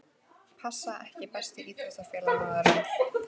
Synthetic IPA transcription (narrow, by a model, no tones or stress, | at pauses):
pʰasːaʔɛhcɪpɛst̪ɪiːt̪ɛst̪afjɛːlanaðɛɾɛ